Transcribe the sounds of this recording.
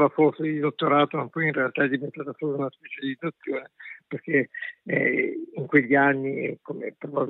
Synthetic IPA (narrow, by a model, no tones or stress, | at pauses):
vafɔsed̪id̪ot̪ːoɾaːt̪omapːɔjinrealt̪aɛd̪ivent̪aːt̪asɔt̪unaspɛt͡ʃalid̪at̪sːjoːneperke | iŋkweʎːianːikomḛpɾobab